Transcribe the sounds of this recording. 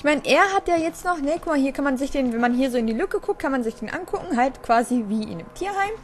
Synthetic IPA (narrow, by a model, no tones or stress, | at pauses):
ɪçmaɪnəʔeːɐɦatjaːjɛt͡stnɔχnəkʰʊkmahiːɐkʰanmanzɪçd̥eːnvɛnmanɦiːɐzoːɪndiːlʏkəkʰʊk̚t̚kʰanmanzɪçd̥eːnʔa̰nkʰʊkŋ̩ɦaltkv̥aːziviːʔɪ̰nɪmtʰiːɐhaɪm